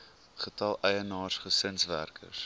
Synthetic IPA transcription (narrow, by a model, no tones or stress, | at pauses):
χətɐlˠɛjənɑːsχəsənsvæ̰rkʰə̰s